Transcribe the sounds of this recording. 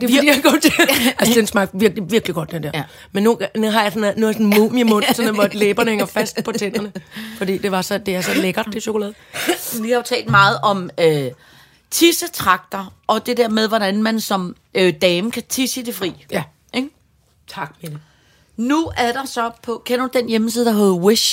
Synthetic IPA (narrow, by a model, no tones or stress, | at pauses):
d̥e̥ḭjɑɡ̥ɒd̥eæsensmɑ̈ɡ̥ʋiɐɡ̥liʋiɐɡ̥liɡ̥ɒ̽d̥̚d̥end̥eɐ̰ | menːunuɦɑ̈jɑ̈sɔnˠnusɔ̽n̩mumimɔ̽nsɒ̽nʋɒd̥leːb̥ɐnəheŋɐfæsd̥pʰɒ̽t͡sʰen̰ɐnəfɒ̽d̥ḭːd̥e̝ʋɑ̈sɒ̽d̥e̝æɐsɒ̽leɡ̥ɐ̥d̥eɕo̝kʰolɛ̰ːðˠ | ʋihɑ̈jo̝t͡sʰɛ̰ːld̥mɑ̈ːð̞̩ˠɒ̽mø | t͡sʰisət͡sʰʁɑ̈ɡ̥̚d̥ɐʔɒ̽d̥e̝d̥eɐmeð̞ˠʋɒɾ̥ænmænsɒ̽m | ød̥ɛːməkʰæt͡sʰisəd̥e̝fʁḭː | eɡ̥ | t͡sʰɑ̈ɡ̥mel | nuæɐd̥ɑ̈sɒ̽pʰɒ̽kʰen̰ɐd̥ud̥enjeməs̬iːð̞̩ˠd̥ɑɦoːð̩ˠwiʃ